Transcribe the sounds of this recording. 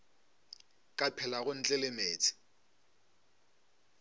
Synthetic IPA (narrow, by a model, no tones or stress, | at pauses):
kʼapʰɛlaɣʊn̩t͡ɬʼɛlɪmeːt͡sʼɪ̥